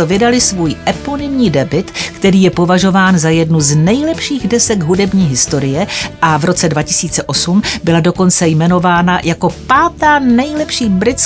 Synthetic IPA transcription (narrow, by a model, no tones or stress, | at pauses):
vɪdalɪsvuːjʔɛponɪmɲiːdɛbɪt̪kt̪ɛɾiːjɛpo̞vaʒo̞vaːnzajɛdnuznɛjlɛpʃiːɣdɛsɛɡɦudɛbɲiːɦɪst̪o̞ɾɪjɛʔavɾo̞t͡sɛdvacɪ̥siːt͡sɛʔo̞sumbɪlado̞ko̞nt͡sɛjmɛno̞vaːnajako̞paːt̪aːnɛjlɛpʃiːbɾɪt͡s